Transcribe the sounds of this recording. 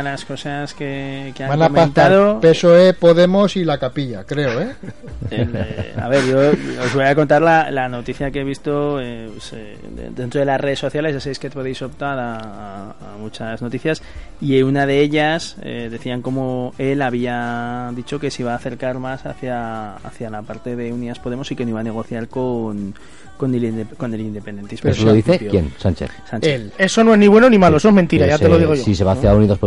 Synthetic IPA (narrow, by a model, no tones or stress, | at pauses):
lasko̞saske̞keaŋnaomeant̪aðopesoepoðe̞mosilakapiʎakɾe̞oe | ela̰βe̞ɾʝo̞ozβo̞jako̞nt̪aɾlalano̞t̪iθjakeβist̪o̞epese | dḛd̪ent̪ɾoðe̞lasreðe̞sːo̞θjale̞zʝasaβejskepo̞ðejso̞pt̪aɾaː | mut͡ʃazno̞t̪iθjas | ieunað̞eeʎasḛðe̞θiaŋko̞moe̞laβ̞iaðit͡ʃo̞ke̞siβaːθe̞ɾkaɾmasa̰θjaa̰θjalapaɾt̪e̞ðe̞uniaspo̞ðe̞mo̞sike̞noiβane̞ɣ̞o̞θjaɾko̞n | ko̞nelko̞ne̞lind̪e̞pend̪e̞nt̪ismouloðiθekjensant͡ʃḛθsanele̞so̞no̞e̞zniβwe̞no̞nimaloes̬oemẽnt̪iɾajaeloðiɣoosiseβaθeauniðospo